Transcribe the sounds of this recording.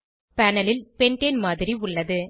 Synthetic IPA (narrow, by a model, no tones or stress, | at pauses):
pɐnɐlɪlpɛɳʈenmaːðɪɾiʊɭːɐðɯ